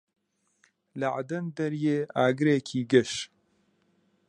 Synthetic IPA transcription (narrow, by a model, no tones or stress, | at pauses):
lɐʕad̪ɐnd̪ɐɾjeːʔaːɡɨɾeːkʰiːɡəʃ